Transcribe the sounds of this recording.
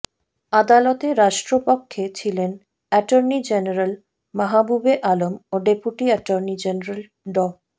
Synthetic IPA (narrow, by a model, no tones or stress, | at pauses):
ad̪alɔt̪eɾaʃʈɾopokʰːet͡ɕʰilen | ɛʈoɾnid͡ʑeneɾal | maɦabubeʔalomoɖepuʈiɛʈoɾnid͡ʑeneɾal | ɖɔ